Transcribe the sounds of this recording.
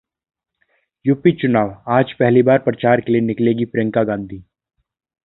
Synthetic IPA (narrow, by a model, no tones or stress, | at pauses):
jʊpit͡ʃʊnaːʋaːd͡ʒpɛɦlibaːɾpɾət͡ʃaːɾkelienɪkleːɡipɾẽŋkaɡãːnd̪ʱiː